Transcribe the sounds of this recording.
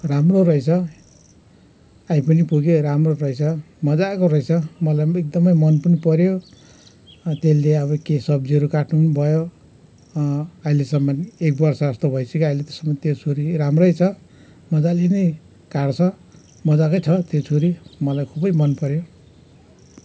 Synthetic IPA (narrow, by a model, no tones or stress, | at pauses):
ramrorʌjt͡sʰʌ | ajpʌnipuɡjoɾamroɾʌjt͡sʰʌ | mʌd͡zakoɾʌjt͡sʰʌmʌlajek̚d̪ʌmʌjmʌnpʌnipʌɾjo | t̪elleʌβʌkesʌb̚d͡ziʌɾukaʈʰnunbʱʌjo | ajlesʌmːʌnek̚bʌrsʌʌst̪obʱʌjsʰʌkiajlet̪ʌ̥sʌmːʌnt̪jet͡sʰuɾiɾamrʌjt͡sʰʌ | mʌd͡zalene | kaɽt͡sʰʌ | mʌd͡zakojt͡sʰʌt̪jet͡sʰuɾimʌlajkʰubʌjmʌnpʌɾjo